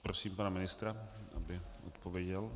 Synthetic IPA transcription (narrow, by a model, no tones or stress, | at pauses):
pɾosiːmpanamɪnɪst̪ɾaʔa̰bɪʔo̰t̪povjɛɟɛl